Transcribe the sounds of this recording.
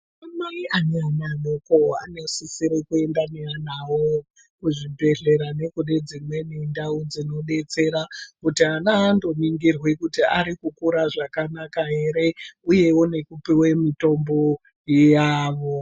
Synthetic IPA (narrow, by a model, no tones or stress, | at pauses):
amaiʔaneananokoa̰nosisiɾekue̞ndaneanawo | kuʐibʱe̞ɮe̞ɾane̞kuɗed͡zimwe̞nindaud͡zino̞ɗe̞t͡se̞ɾakutianaːndo̞niŋɡirwekutiʔaɾikukuɾaʐakanakaɦe̞ɾe̞uje̞wone̞kupiwe̞mito̞mbo̞ | jaːʋo̞